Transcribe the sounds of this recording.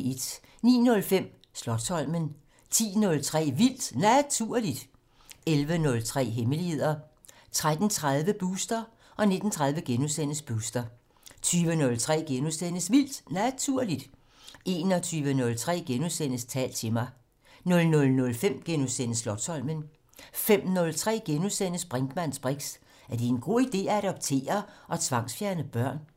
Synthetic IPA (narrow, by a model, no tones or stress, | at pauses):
ed̥ | nḭːnɔ̽lfem̰ | slɒ̽d̥sɒ̽l̰mən | t͡sʰḭːnɔ̽lt͡sʰʁɛ̰ːʋil̰d̥næt͡sʰuɐ̰lid̥ | elʋənɔ̽lt͡sʰʁɛ̰ːɦeməlihe̝ð̰ˠɐ | t͡sʰʁad̥n̩t͡sʰʁað̞ˠʋəb̥uːsd̥ɐ | ʔɒ̽ne̝d̥n̩t͡sʰʁäðˠʋəɡ̥enusen̰əsb̥uːsd̥ɐ | t͡sʰyːʋənɔ̽lt͡sʰʁɛ̰ːɡ̥enusenəsʋil̰d̥næt͡sʰuɐlid̥ | ʔe̝ːnɒ̽t͡sʰyːʋənɔ̽lt͡sʰʁɛ̰ːɡ̥enusen̰əst͡sʰɛ̰ːld̥̚t͡sʰe̝mɑ̈ɪ | nɔ̽lnɔ̽lnɔ̽lfem̰ɡ̥enusen̰əslɒ̽d̥sɒ̽l̰mən | fem̰nɔ̽lt͡sʰʁɛ̰ːɡ̥enusenəsb̥ʁaŋɡ̥mæn̰sb̥ʁeɡ̥s | æɐd̥e̝enɡ̥o̝ːid̥e̝̰ːææɾ̥ɒ̽b̥̚t͡sʰe̝̰ːɐʔɒ̽t͡sʰʋɑ̈ŋsfjæɐnəb̥ɶɐ̰n